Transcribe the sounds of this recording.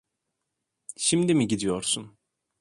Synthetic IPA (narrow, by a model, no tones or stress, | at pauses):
ʃimd̪imiɟid̪ijoɾsun